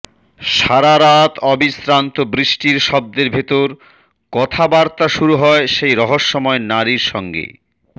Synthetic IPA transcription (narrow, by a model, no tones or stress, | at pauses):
ʃaɾaɾat̪ʰɔbisɾant̪obɾiʃʈiɾʃɔb̚d̪eɾbʱet̪oɾ | kɔt̪ʰabaɾt̪aʃuɾuɦɔeʃejɾɔɦoʃːɔmɔenaɾiɾʃɔŋɡḛ